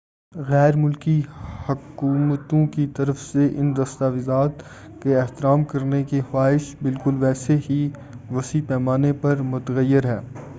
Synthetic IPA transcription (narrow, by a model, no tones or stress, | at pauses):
ɣɛːɾmʊlkihɐkuːmət̪õkit̪ɐɾəfseʔɪnd̪ɐst̪aːʋɪzaːt̪ | keɛɦt̪ɪɾaːmkɐɾnekixaːɦɪʃbɪlkʊlʋɛːseɦi | ʋɐsipɛːmaːnepɐɾmʊt̪əɣəjːɪɾɦɛː